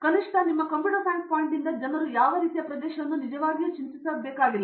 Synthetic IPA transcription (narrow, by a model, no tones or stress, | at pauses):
kɐniʂʈʰɐnimːɐkɐmpiuɽɐpaːŋk̚poːjiɳʈind̪ɐd͡ʒɐnɐɾujaːʋɐɾiːt̪ijɐpɾɐd̪ɛːʃɐʋɐnːunid͡ʒɐʋaːɡijut͡ʃint̪isaːd̪̚bɛːkaːɡilːɐ